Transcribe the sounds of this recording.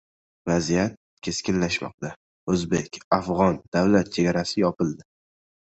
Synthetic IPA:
vazijat̪̚ | kʲʰe̞skʲɪnlaʃmɒ̰q̚t̪a | ɵzbe̞kʲafʁɒnd̪̥awlat̪̚t͡ʃʰe̞ɡʲaɾasɪjɒpɪlˠd̪ɪ

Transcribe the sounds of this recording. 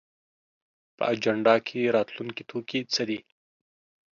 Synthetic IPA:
pə̰ad͡ʒaɳɖɑkʰeɾɑt̪luŋkit̪ʰokit͡səd̪i

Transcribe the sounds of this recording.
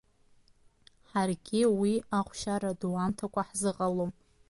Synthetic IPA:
ħarɡʲiwiaχʷʃaɾaduantʰakʷʼaħzɨqʼalom

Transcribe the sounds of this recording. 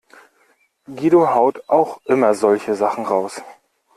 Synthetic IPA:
ɡiːdohaʊtʔaʊxʔɪmɐzɔlçəzaχn̩ʁaʊs

